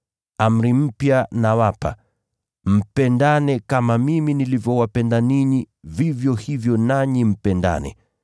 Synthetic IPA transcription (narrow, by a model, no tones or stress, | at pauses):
am̩ɾim̩pjanawapa̰ | m̩pɛndanɛkamamiminilivjɔwapɛndaniɲi | vivjɔhivjɔnaɲim̩pɛnda̰nɛ̰